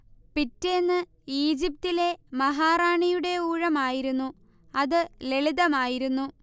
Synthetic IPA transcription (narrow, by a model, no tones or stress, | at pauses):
pitːenːɨ | iːd͡ʑip̚tile̞mɐɦaːraːɳijuɽe̞uːɻɐmaːjiɾunːu | ɐðɨle̞ɭiðɐmaːjiɾunːu